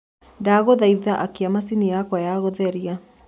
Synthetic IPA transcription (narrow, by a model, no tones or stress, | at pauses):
daːɣoðaiðaʔakeamasinijakwajaɣoðɛɾia